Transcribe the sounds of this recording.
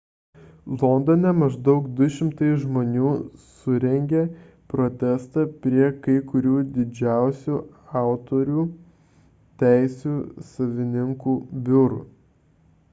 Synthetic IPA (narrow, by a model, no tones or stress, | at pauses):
lˠɔnd̪onʲɛmɐʒd̪ɐʊkd̪ʊʃʲɪmt̪ɐɪʒmoːnʲuːsʊɾʲɛŋʲɡʲeː | pɾot̪ʲɛst̪ɑpʲɾʲiɛkɐɪkʊɾʲuːd̪ʲɪd͡ʒʲæˑʊsʲuː | ɑˑʊt̪oɾʲuː | t̪ʲæˑɪsʲuːsɐʋʲɪnʲɪŋkuːbʲʊɾṵː